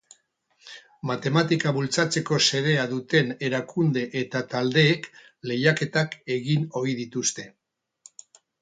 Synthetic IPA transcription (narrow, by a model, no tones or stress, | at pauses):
mat̪e̞mat̪ikaβult͡sat͡se̞ko̞se̞ɾe̞aðut̪e̞neɾakund̪e̞ʔet̪at̪ald̪e̞ːk | le̞jake̞t̪ake̞ɣino̞iðit̪ust̪e̞